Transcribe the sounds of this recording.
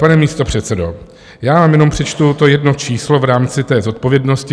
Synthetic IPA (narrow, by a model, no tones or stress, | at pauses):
panɛmiːst̪o̞pr̝̥ɛt̪sɛdo̞ | jaːvaːmjɛno̞mpr̥ɛt͡ʃt̪ut̪o̞jɛdnot͡ʃiːslo̞vɾaːmt͡sɪt̪ɛːzo̞t̪̚po̞vjɛdno̞scɪ